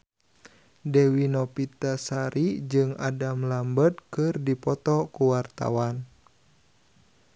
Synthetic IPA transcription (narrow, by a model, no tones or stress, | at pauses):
dɛwinɔpit̪asaɾʔid͡ʒɨŋa̰damlambət̪̚kɨrdipɔt̪ɔkuwart̪a̰wan